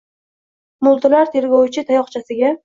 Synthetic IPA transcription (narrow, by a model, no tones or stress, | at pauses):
mʊlˠt̪ʰɪlaɾt̪ʰe̞ɾɡʲɒwt͡ʃʰɪt̪ʰajɒχt͡ʃʰasɪɡʲa